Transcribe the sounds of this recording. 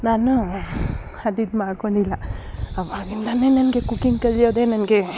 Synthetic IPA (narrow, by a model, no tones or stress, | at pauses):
naːnu | ɐd̪id̪maːɽkoɳɖilːɐɐʋanind̪aneːnɐnɡe̞kukːiŋɡkɐɭːjoːd̪e̞ːnɐnɡe̞